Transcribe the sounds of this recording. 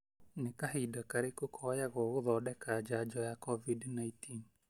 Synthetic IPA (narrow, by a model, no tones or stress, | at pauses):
nekaɦidakaɾekokʰɔjaɣɔɣoðɔːɗɛkad͡ʒad͡ʒɔjakɔvidnaitiːn